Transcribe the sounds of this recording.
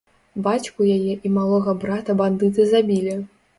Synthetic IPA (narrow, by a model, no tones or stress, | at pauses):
bat͡ɕʲkujajɛʔimalˠɔɣɐbɾat̪ɐband̪ɨt̪ɨzabʲilʲi